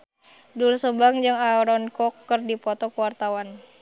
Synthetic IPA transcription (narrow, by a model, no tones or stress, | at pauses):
dulsəbaŋd͡ʒɨŋaɾɔnkɔkːərdipɔt̪ɔkəwart̪awan